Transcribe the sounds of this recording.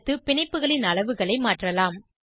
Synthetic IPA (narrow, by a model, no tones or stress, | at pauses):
t̪ːɯpɪɳɐɪpːɯɣɐɭɪnɐɭɐʋɯɣɐɭɐɪmaːʈrɐlaːm